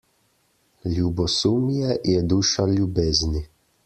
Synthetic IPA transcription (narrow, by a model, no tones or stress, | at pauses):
lʲjubɔsuːmjɛjɛd̪uːʃalʲjubeːzni